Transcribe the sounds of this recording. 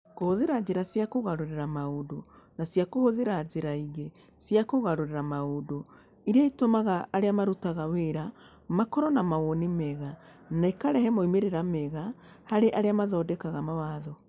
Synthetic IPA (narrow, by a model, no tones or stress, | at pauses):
kohoðeɾad͡ʑeɾasjakoɣaɾoɾeɾamaodonasjakohoðeɾad͡ʒeɾaiɣe | sjakoɣaɾoɾeɾamaodo | iɾeaitomaɣaːɾeamaɾutaɣaweɾa | makɔɾɔnamaɣonimɛɣa | naikaɾɛhɛmoimeɾeɾamɛɣa | haɾeʔaɾeamaðɔdɛkaɣamawaːðɔ